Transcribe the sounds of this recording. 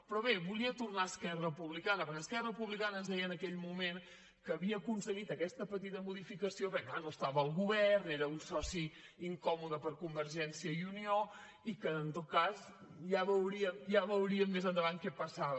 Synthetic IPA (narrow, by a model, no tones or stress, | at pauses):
pɾɔβeβuliət̪urnaəskɛrəpuβlikanəpəskɛrəpuβlikanəːnzðɛjənəkɛʎmumen | kəːβiəːkunsəɣit̪əkɛst̪əpət̪it̪əmuðifikəsioβɾɛklanoəst̪aβəːlˠɣuβɛrneɾəunsɔsi | iŋkɔmuðəpəɾkumbəɾʒɛnsijəiunio | ikəːnt̪ot̪̚kaz | jaβəwɾiəmjaβəwɾiəmːezənd̪əβankɛpəsaβə